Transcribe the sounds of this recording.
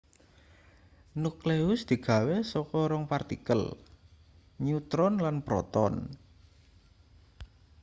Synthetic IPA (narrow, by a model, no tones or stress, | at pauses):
nukleʊsd̪̥i̤ɡ̥a̤wesɔkɔɾɔŋpart̪ikəl | ɲut̪ɾɔnlanpɾɔ̰t̪ɔ̰n